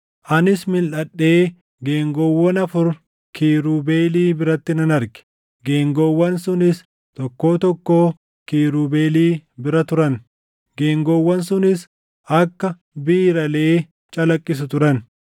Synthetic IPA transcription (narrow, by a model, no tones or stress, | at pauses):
ʔɐnɪsmɪlʔɐɗːe̞ː | ɡeːŋɡɔwːɐnɐfʊɾ | kiːɾuːbe̞ːliːbɪɾɐt̪ːɪnɐnɐɾɡɛ̥ | ɡe̞ːŋɡowːɐnsʊnɪs | t̪ɔkːo̞ːt̪ɔkːo̞ː | kiːɾuːbeːliːbɪɾɐt̪ʊɾɐn | ɡe̞ːŋɡɔwːɐnsʊnɪs | ʔɐkːɐ | biːɾɐle̞ː | t͡ʃʼɐlɐkʼːɪs̬ʊt̪ʊɾɐn